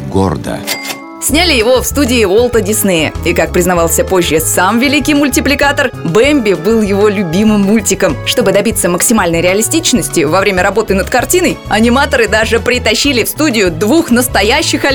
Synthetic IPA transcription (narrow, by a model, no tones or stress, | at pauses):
ɡo̰rd̪ə̰ | sʲnʲalʲɪjɪvo̞fst̪udʲɪːvo̞lˠət̪ədʲɪsnɛjə̰ikak̚pɾʲɪznɐvɑlˠsʲəpo̞ʑʲːəsamvʲɪlʲikʲijmʊlʲtʲɪplʲɪkat̪ərbɛmʲbʲɪbɨlˠjɪvo̞lʲʊbʲimɨmːulʲtʲɪkəmʂt̪o̞bɨd̪ɐbʲit̪səməksʲɪmalʲnəjɾʲɪɐlʲɪsʲtʲit͡ɕnəsʲtʲɪvɐvɾʲemʲəɾɐbo̞t̪ɨnət̪kɐrtʲinəjɐnʲɪmat̪əɾɨd̪aʐɨpɾʲɪt̪ɐɕːilʲɪfst̪udʲɪjʊd̪vuxnəst̪ɐjæɕːɪxɐ